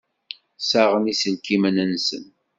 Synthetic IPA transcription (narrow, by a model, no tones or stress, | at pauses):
saʁənisənkːimənænsə̰n